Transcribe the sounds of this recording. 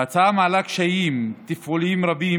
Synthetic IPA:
at͡samaːlakʃajimt̪ifʔulimɾabi

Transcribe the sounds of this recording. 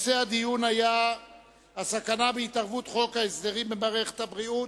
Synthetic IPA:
sead̪ijunaja | asakanabeit̪aʁvut̪χo̞kaesd̪eʁimbemaʁeχe̥t̪habʁiut

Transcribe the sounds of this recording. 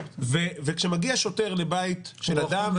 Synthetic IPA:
vevekʃemaɡiaʃoteʁlebait̪ʃelad̪am

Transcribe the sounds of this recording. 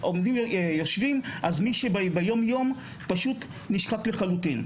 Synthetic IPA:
ʔomdimjoʃvimʔazmiʃebbejo̞mjo̞m | paʃut | niʃχatleχalutin

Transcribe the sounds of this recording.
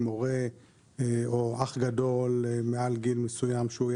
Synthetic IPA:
mo̞ʁe | oaχɡad̪o̞lmealɡilmesujamʃeuj

